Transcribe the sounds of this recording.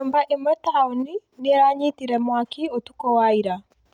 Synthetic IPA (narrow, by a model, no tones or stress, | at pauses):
umbaʔimɛtauniniɾaɲitiɾɛmwakiɔtukɔwaiɾa